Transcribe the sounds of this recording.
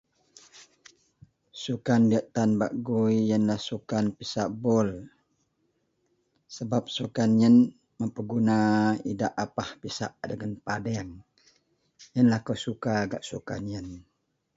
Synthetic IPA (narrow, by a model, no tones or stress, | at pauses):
sukandiəʔt̪anbaʔɡujːənlahsukanpisaʔbɔl | səbap̚sukanjən | məmpəɡunaidaʔapahpisaʔdəɡanpadɛŋ | jənlahkəsukaːɡaʔsuka̰njən